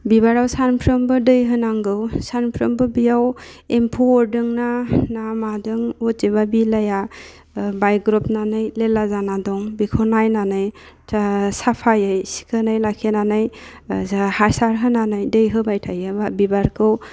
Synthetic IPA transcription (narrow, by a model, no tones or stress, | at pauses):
bibaɾawsanpʰɾɯmbɯdɯjɦɯnaŋɡɯwsanpʰɾɯmbɯbijaw | empʰoɾdɯŋnanamadɯŋɔtzeβabilaja | bajɡɾɔpnanɯjlelazanadɔŋbikʰɔnajnanɯjʰ | sapʰajɯjsi̥kʰənajlakʰenanɯj | haɾsaɾɦɯnanɯjdɯjɦɯbajtʰajɯbabibaɾkʰɯw